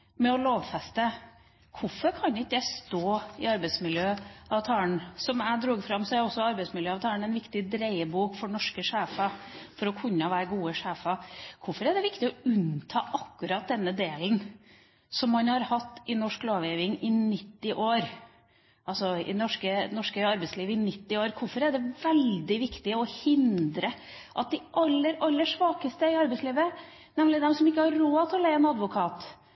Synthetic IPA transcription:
mɛɔloːʋfɛst̪ə | kʰʊfɔɾkʰɑnɪkd̪ɛst̪oːɪɑɾbɛɪt̪smɪljøːɑʋt̪ʰɑːəɳsɔmæɪd̪ɾuːɡfɾɑmsɔæɔsɔɑɾbɛɪsmɪljøːɑʋt̪ʰɑːəɳɛɪnʋɪkt̪ɪd̪ɾeɪəbuːkfɔɳɔʂkəʂeːfɑfɔɾɔkʰʉnːɑʋæːɾɡuːəʂeːfɑkʰʊfɔɾæɖɛʋɪkt̪ɪɔʉnt̪ʰɑːʔɑkːʉɾɑt̪̚d̪ɛnːəd̪eːln̩ | sɔmːɑnhɑɾhɑt̪ːɪnɔʂkloːʋeːʋɪŋɪnɪt̪ːɪʔoːɾ | ʔɑlsɔɪ̰nɔʂkənɔʂkəɑɾbɛɪsliːʋəɪnɪt̪ːɪoːɾkʰʊɾfɔɾæɖɛʋɛld̪ɪʋɪkt̪ɪɔhɪnd̪ɾə | ʔɑt̪̚d̪ɪʔɑlːəɾɑlːəʂʋɑːkəst̪əɪɑɾbɛɪsliːʋə | nɛmlɪd̪ɛmsɔmɪkːəhɑɾɾoːt̪ʰɪlɔlæɪɛːnɑd̪ʋʊkʰɑːt̪

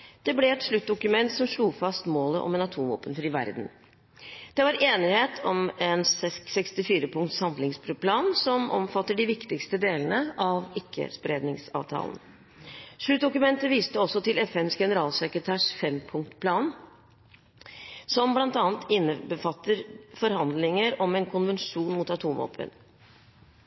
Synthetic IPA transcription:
d̪̥ɛblɛɛt̪ʂɭʉt̪̚d̪ʊkʉmɛnt̪sɔmʂluːfɑst̪moːlə̰ʔɔ̰mɛnɑt̪ʰuːmʋo̰ːpənfɾiːʋæ̰ɾd̪n̩ | d̪̥ɛʋɑɾeːnɪheːt̪ʰɔmɛnssɛkst̪ɪfiːɾəpʰʊŋkt̪shɑmlɪŋspplɑːnsɔmɔ̰mfɑt̪ːəɖɪʋɪkt̪ɪkst̪əd̪eːlənəʔɑʋɪkʰːə̰spɾeːd̪nɪŋsɑ̰ːʋt̪ʰɑ̰ːlən̩ | ʂɭʉt̪̚d̪ʊkʉmɛnt̪əʋiːst̪əɔsːɔt̪ɪlɛfɛnsɡɛnəɾɑːlsɛkɾət̪ʰæːʂfɛmpʰʊŋkt̪pʰlɑːn | sɔmblɑnt̪ɑːnt̪ʰɪnːəbəfɑt̪ːəɾfɔɾhɑnd̪lɪŋəɾɔmɛnkʰʊnʋɛnʂuːnmuːt̪ɑt̪ʰuːmɔ̰pʰə̰n

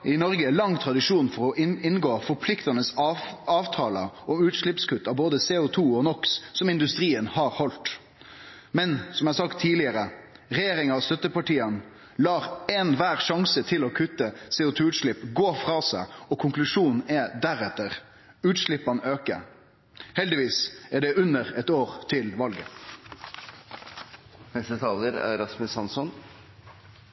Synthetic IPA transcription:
ɪnɔɾɡəlɑŋːt̪ʰɾɑd̪ɪʂuːnfɔɾɔʔɪɪnɡoːfɔɾpʰlɪkt̪ɑnəsɑːʋt̪ʰɑːlə̰ɔmʉːt̪ʂlɪpskʰʉt̪ːɑʋboːd̪əsɛʊt̪ʰuːɔnɔkssɔmɪnd̪ʉst̪ʁiːənhɑːɾhɔlt̪ | mɛnsɔmɛæsɑkt̪ʰːiːlɪəɾə | ɾɛjeːɾɪŋɑʋst̪œt̪ːəpɑʈiːən | lɑːʁɛnʋæːʁʂɑŋsət̪ʰɪlɔkʰʉt̪ːəsɛːʊt̪ʰʉːʉːt̪ʂɭɪpːɡoːfɾɑːsæɪɔkʰʊŋklʉʂuːnn̩ɛd̪æɾɛt̪əʁ | ʉːt̪ʃlɪpːɑnøːkə̰ | hɛld̪ɪʋiːsæɖɛʔʉnəɾɛt̪oːʁt̪ʰɪlʋɑlɡə̰ | nɛst̪ət̪ʰɑːləɾæ̰ɾɑsməsɑnsɔn

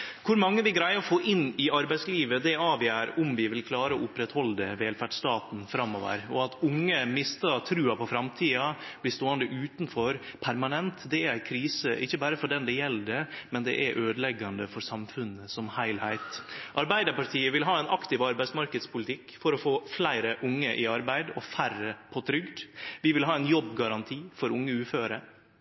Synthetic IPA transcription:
kʰʊɾmɑŋːəʋɪɡɾæɪəɔfoːʔɪnːɪɑɾbæɪtsliːʋəd̪ɛɑːʋjæːɾʊmʋɪʋɪlkʰlɑːɾəɔʊpːɾɛt̪hɔld̪ɛʋeːlfæʈʂt̪ɑːt̪n̩fɾɑmːɔʋə̰ɾɔɑt̪ʊŋːəmɪst̪ɑt̪ʰɾʉːɑpɔfɾɑmt̪ʰiːɑb̥lɪst̪oːənd̪əʔʉːt̪nfɔɾpʰæɾmɑnɛnt̪d̪ɛæɾæɪkʰɾiːsəʔɪçːəbæːɾəfɔɖɛnd̪ɛjɛlːd̪ɛmɛnd̪ɛ̰ʔæɾʔøːd̪əlɛɡɑnd̪əfɔɾsɑmfʉnːəsɔmhæɪlhæɪt̪ʔɑɾbæɪd̪əɾpɑʈʰiːəʋɪlɦɑːɛɪnʔɑkt̪ɪʋɑɾbæɪsmɑɾkəd̪spʰʊlɪt̪ʰɪkːfɔɾɔfoːflæɪɾəʔʊŋːəʔɪɑɾbæɪd̪ɔfærəpʰɔt̪ʰɾʏɡd̪ʋɪʋɪlɦɑːɛɪnjɔbːɡɑɾɑnt̪ʰiːfɔɾʊŋːəʉːføːɾə

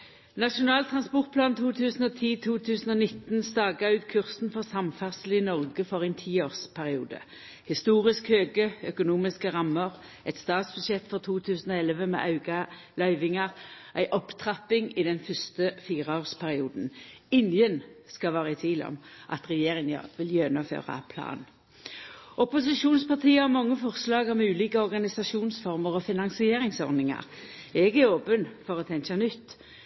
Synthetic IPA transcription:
nɑʂʊnɑːlt̪ʰʁɑnspɔʁt̪̚pʰlɑːnt̪ʰuːt̪ʰʉːsn̩ɔt̪ʰiːt̪ʰuːt̪ʰʉːsn̩ɔnɪt̪n̩st̪ɑːɡɑʉːt̪kʰʉʁsn̩fɔʁsɑmfæʁsl̩ɪnɔʁɡəfɔʁæɪnt̪ʰiːoːʁspʰæʁɪuːd̪ə̰ | hɪst̪uːʁɪskhøːɡəœkʊnuːmɪskəʁɑmːəʁ | ʔɛt̪st̪ɑːt̪sb̥ʉsɛt̪ːfɔʁt̪ʰuːt̪ʰʉːsn̩ɔɛləʋəmɛ̰ːʔɑʉɡɑ | lœʏʋɪŋɑʁʔæɪʔɔpt̪ʰʁɑpːɪŋɪd̪ɛnfʏst̪əfiːʁəoːʁspʰæʁɪuːd̪n̩ɪnjənskɑʋɑːʁəɪt̪ʰʋiːlɔ̰mʔɑ̰t̪ʁɛjeːʁɪŋɑ̰ʋɪljɛnʊmfø̰ːʁɑ̰pʰlɑ̰ːn | ɔpʊs̬ɪʃuːnspɑʁt̪iːəɔmɑŋːəfɔʁslɑːɡɔmʉːliːkəɔʁɡɑnɪsɑʃuːnsfɔʁməʁɔfɪnɑŋsɪeːʁɪŋsɔ̰ʁnɪŋɑ̰ʁɛɡæoːpənfɔʁɔt̪ʰɛŋʃɑnʏt̪ː

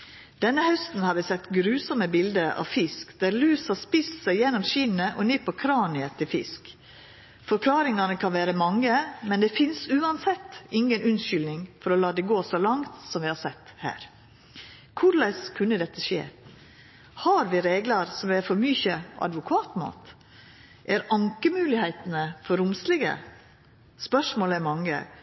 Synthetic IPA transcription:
d̪̥ɛnːəhœst̪n̩hɑɾʋɪsɛt̪ːɡɾʉːsɔməbɪld̪əʔɑ̰ʋfɪskd̪æːɾlʉːshɑspɪst̪sæɪjɛnːɔmʃɪnnəʔɔnɪpʰːɔkʰɾɑːnɪət̪ʰɪlfɪ̰sk | fɔɾkʰlɑːɾɪŋɑnəkʰɑnʋæːɾəmɑŋːəmɛnd̪ɛːfɪnsʉːɑnsɛt̪ːɪŋənʉnʃʏlnɪŋfɔɾɔlɑːd̪ɛɡoːsɔlɑŋt̪sɔmʋɪhɑɾsɛt̪ːhæ̰ːɾ | kʰʊɾlæɪskʰʉnːəd̪ɛt̪ːəʃḛː | hɑɾʋɪɾeːɡlɑɾsɔmʋæɾfɔɾmyçəʔɑ̰d̪ʋʊkʰɑːt̪mɑ̰ːt̪ | ʔæɾɑŋkəmʉːlɪhæɪt̪ənəfɔɾʊmslɪɡə̰ | spœʂmoːlɛmɑŋːə̰

